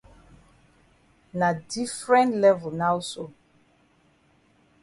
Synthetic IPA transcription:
na˨di˦fɹɛ̃˦ntlɛ˦vu˨lna˦wso˨

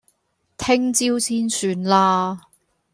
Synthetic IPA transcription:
t̪ʰɪ˥ŋt͡siː˥wt͡sʰiː˥nsyː˧nlaː˧

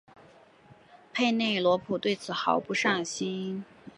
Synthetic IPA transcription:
pʰe˥˧ɪne˥˩ɪlwɔ˧˥pʰu˨˩t̪we˥˩ɪt͡sʰɹ̩˨˩xɑ˨˩ʊpu˥˧ʂɑ˥˩ŋɕi˥

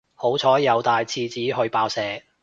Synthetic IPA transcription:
ho˨˥wt͡sʰɔː˨˥jɐ˨˧wt̪aː˨jt͡sʰiː˧t͡siː˨˥ɦɵ˧ɥpaː˧wsɛː˨˧

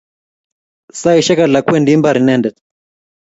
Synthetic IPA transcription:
sa˦i˨ʃɛ˦ka˨ɮa˨kwɛ˦ndi˦mba˨ɾi˨nɛ˦˨ndɛ˨t

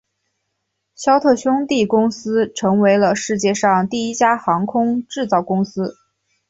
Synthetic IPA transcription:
ɕjɑ˥ʊt̪ʰɤ˥˩ɕjʊ˥ŋt̪i˥˩kʊ˥ŋsɹ̩˥ʈ͡ʂʰɤ˧˥ŋwe˧˥ɪlə˧ʂɻ̩˥˧t͡ɕjɛ˥˧ʂɑ˥˧ŋt̪i˥˩i˥t͡ɕja˥xɑ˧˥ŋkʰʊ˥ŋʈ͡ʂɻ̩˥˧t͡sɑ˥˩ʊkʊ˥ŋsɹ̩˥

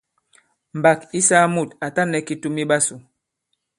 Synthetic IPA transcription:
m̩˨ba˨ki˦sa˦mu˦˨ta˨ta˦nɛ˨ki˦tu˦mi˦ɓa˦su˨

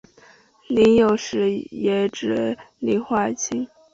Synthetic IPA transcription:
li˧˥ŋjo˨˩ʊʂɻ̩˧˥jɛ˧˥ʈ͡ʂɻ̩˧˩li˧˩xwa˥˩t͡ɕʰi˥ŋ

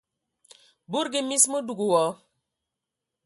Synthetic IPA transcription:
bu˦ɾɡɪ˦mi˦smo˦du˨ɡu˨wɔ˦

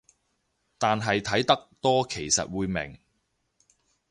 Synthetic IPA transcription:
t̪aː˨nɦɐ˨jt̪ʰɐ˨˥jt̪ɐ˥k̚t̪ɔː˥kʰe˨˩jsɐ̰˨t̚wuː˨˧jmɪ̰˨˩ŋ

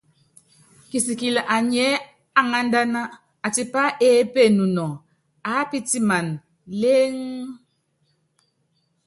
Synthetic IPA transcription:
ki˨si˨ki˨lʔa˨ɲɛ˨˦ | a˦ŋa˦n̩˦da˦na˦ | a˨ti˨pa˦ʔe˦pe˦˨nu˨nɔ˨ŋ | a˨˦pi˦ti˦ma˨n | le˦ŋ

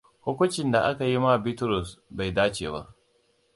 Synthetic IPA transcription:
hʊ˦kʷʊ˦t͡ʃɪ˨nda˨ʔa˦ka˨ji˦ma˦˨bɪ˦tɾʊ˨sba˨jdaː˦t͡ʃeː˨ba̰˦ʔ

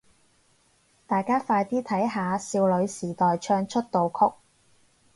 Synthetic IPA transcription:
t̪aː˨jkaː˥faː˧jt̪iː˥t̪ʰɐ˨˥jɦaː˨˧siː˧wlɵ˨˧ɥsiː˨˩t̪ɔː˨jt͡ʃʰœː˧ŋt͡ʃʰɵ˥t̚t̪o˨wkʰʊ˥k̚

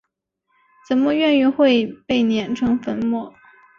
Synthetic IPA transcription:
t͡sə˨˥nmə˧ɥɛ˥˧ny˥˧xwe˥˧ɪpe˥˩ɪnjɛ˧˥nʈ͡ʂʰɤ˧˥ŋfə˧˥nmɔ˥˩˦

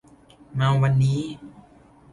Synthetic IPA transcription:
ma˧wwa˧nːiː˦˥

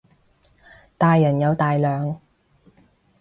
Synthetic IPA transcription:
t̪aː˨jːɐ˨˩njɐ˨˧wt̪aː˨jlœː˨ŋ

